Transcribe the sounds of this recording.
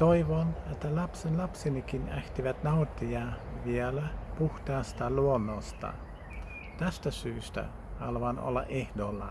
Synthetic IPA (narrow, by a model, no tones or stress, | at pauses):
t̪oiʋonet̪ːælɑpsenlɑpsinikinæht̪iʋæt̪nɑut̪ːiɑʋielæpuht̪ɑːst̪ɑluonːost̪ɑ̰ | t̪æst̪æsyːst̪æ̰ | hɑ̰lʋɑno̰lːɑ̰ʔehdolːɑ̰